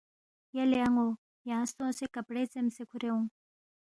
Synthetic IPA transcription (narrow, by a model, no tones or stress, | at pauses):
jɐleaŋo | jãːst̪õːsekɐpɽet͡semsekʰuɾeũŋ